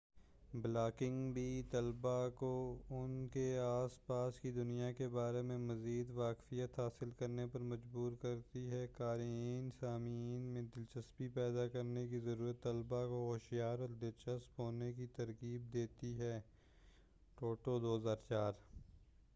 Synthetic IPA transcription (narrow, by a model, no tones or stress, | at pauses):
blaːkɪ̃ŋɡbʱit̪ɐlbakoʊnkeaːspaːskid̪ʊnijakebaːɾemẽmɐziːd̪ʋaːkfijət̪ɦaːsɪlkɐɾnepɐɾmɐd͡ʒbuːɾkɐɾt̪iɦɛkaːɾiːnsaːmiːnmẽd̪ɪlt͡ʃəspipɛːd̪akɐɾnek̬izɐɾuːɾət̪ːɐlbakoɦoːʃijaːɾɔːɾd̪ɪlt͡ʃəspɦoːnekit̪ɐɾkiːb̚d̪eːt̪iɦɛː | ʈoːʈod̪oːɦəzaːɾt͡ʃaːɾ